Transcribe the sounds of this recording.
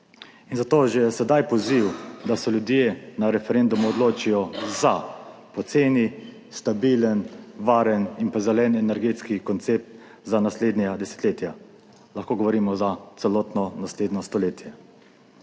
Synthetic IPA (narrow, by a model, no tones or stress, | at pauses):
inzat̪oːʒɛjɛsɛd̪ajpɔziwd̪asɛljud̪jenaɾɛfɛɾend̪umuɔd̪loːt͡ʃijɔzapɔt̪seːni | st̪abiːlənʋaːɾəninpazɛlɛnɛnɛɾɡeːt̪skikɔnt̪sep̚t̪ | zanasleːd̪nʲad̪ɛsɛ̥t̪leːt̪ja | laxkoːɡɔʋɔɾiːmɔzat̪sɛlɔːt̪nɔnasleːd̪nɔst̪ɔleːt̪jɛ